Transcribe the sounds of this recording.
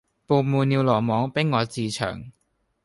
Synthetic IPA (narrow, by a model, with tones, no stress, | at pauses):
poː˧muː˧ni˧wlɔː˨˩mɔː˨˥ŋpe˥ŋːɔː˨˧t͡siː˧t͡ɕʰœ̰ː˨˩˦ŋ